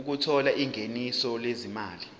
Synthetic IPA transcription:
uk̬utʰɔlaʔiŋenisɔlezimaːli

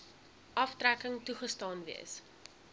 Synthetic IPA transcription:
ʔɐftrækəŋtuχəstɑːnvḭəs

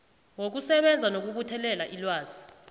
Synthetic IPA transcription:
wok̬usɛɓɛnd͡zʱanok̬uk̬utʰɛlɛlaʔilwaːz̥i

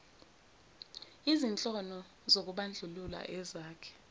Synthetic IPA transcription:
izint͡ɬʼɔnɔ | zok̬uɓand͡ɮʱulula̰ʔɛzaːkʰɛ̥

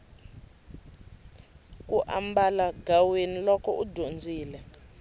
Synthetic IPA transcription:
uʔa̰mbalaɡawenilɔkʰɔ̰ʔudʱond͡zʱiːlɛ

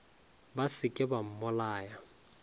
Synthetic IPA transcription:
basɪkʼɪbam̩mʊlaːja

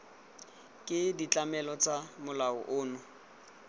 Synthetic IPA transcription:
kʼɪdit͡ɬʼamɛlɔt͡sʼamʊlaʊ̰ʔʊːnʊ

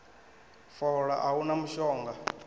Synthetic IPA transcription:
fɔɺa̰ʔawunamuʃɔːŋɡa

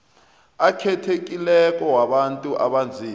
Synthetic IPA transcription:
akʰɛtʰek̬ʼilɛk̬ʼɔwaɓantʼuʔa̰ɓand͡zʱiː

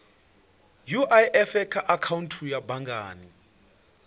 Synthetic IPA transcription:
juʔajʔɛfɛkʰaʔakʰawuntʰujabaŋɡʱa̰ːni

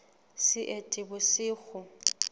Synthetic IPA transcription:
sɪʔetʼɪbʊsɪːɣʊ

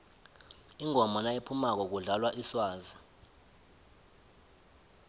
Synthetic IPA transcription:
iŋɔmɔnajepʰumak̬ɔk̬uɮalwaʔiswaːza

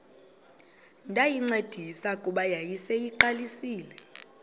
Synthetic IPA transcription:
ndʱajiŋ͡ǀed̥ʱisakʼuɓajajisɛjiǃalisiːlɛ

